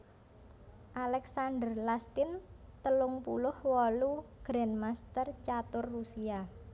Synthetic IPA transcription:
ʔalɛksand̪ərlast̪ɪnt̪əlʊŋpulʊhwɔluɡ̥ɾɛnmast̪ərt͡ʃat̪ʊrːusia

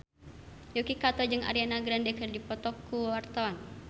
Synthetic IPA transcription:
jokikat̪ɔd͡ʒɨŋʔa̰ɾianaɡɾandɛkərdipɔt̪ɔkːuwart̪awan

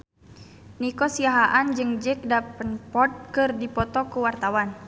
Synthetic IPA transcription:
nikɔsiaɦaʔand͡ʒɨŋd͡ʒək̚dapənpɔt̪̚kɨrdipɔt̪ɔkuwart̪awan

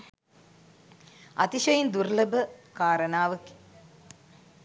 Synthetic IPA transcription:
ɐ̰t̪iʂɐjind̪uɾlɐbɐkaːɾɐnaːʋɐki̥

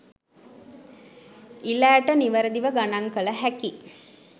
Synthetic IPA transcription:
ilæːʈəniʋəɾəd̪iʋəɡanaŋkələɦæki

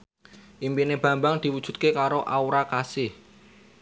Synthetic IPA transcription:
ʔimpineb̥ä̤mbaŋd̪̥i̤wud̥ʒ̥ṳt̪̚kekaɾoʔauɾakasɪh

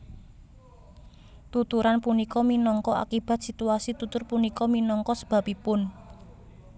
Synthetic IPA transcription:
t̪ut̪uɾanpunikɔminɔŋkɔa̰kib̥a̤t̪̚sit̪uasit̪ut̪ʊrpunikɔminɔŋkɔsə̥b̥a̤pipʊn

